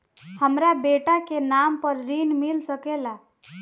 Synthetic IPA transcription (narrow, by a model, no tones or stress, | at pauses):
həmɾabeʈakenampəɾɾinmilsəkela